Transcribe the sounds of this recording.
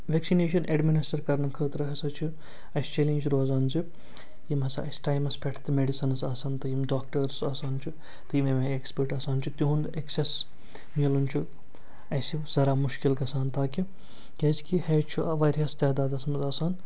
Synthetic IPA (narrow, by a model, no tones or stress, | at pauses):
ʋeksineːʃ̬ɐnʔeɖminisʈɐɾkɐɾnɐkʰəːt̪ɾɐɦɐsɐt͡ʃʰu | ɐst͡ʃeːlenʲd͡ʒɾoːzaːnt͡ʃi | jimɦɐsɐɐsʈaːjmɐspʰʲɛʈʰt̪meɖisɐnɐsaːsɐːnt̪ɨjimɖaːk̚ʈɐɾsaːsaːnt͡ʃʰu | t̪ɨjimemɐekspəɾʈɐːsaːnt͡ʃʰut̪uɦund̪ekses | milunt͡ʃʰu | ɐsiz̥ɐɾaːmuʃkilɡɐsaːnt̪aːki | kʲɐːzkiheːt͡ʃʰuʋɐːɾʲjɐst̪ɛːd̪aːd̪ɐsmɐzaːsaːn